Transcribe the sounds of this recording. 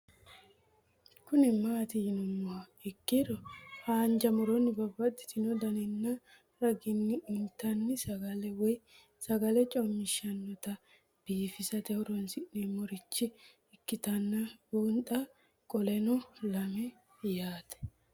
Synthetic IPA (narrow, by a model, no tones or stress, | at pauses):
kʊnɛmaːt̪ɪjɪnʊmːɔwɐ | ɪkːɪɾɔhaːnd͡ʒɐmɔɾɔnːɪbɐbːɐt̪ːɪ̥t̪ɪnɔd̪ɐnɛnːɐ | ɾɐɡɪnːɪːnt̪ːɐnːɪsɐɡɐlɛwɔj | sɐɡɐlɛt͡ʃʼɔmːɪʃɐnːɔt̪ɐ | b̥iːfɪsɐt̪ɛwʊɾɔnsɪnɛmɔɾɪt͡ʃːɪ | ɪkːɪt̪ɐnːɐbɔnt̪ʼɐ | kʼɔlɛnɔlɐmɛ | jaːt̪ɛ̥